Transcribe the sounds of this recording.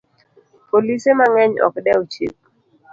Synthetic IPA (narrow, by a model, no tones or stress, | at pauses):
polisemaŋɛɲɔ̰kdɛot͡ʃḭp̚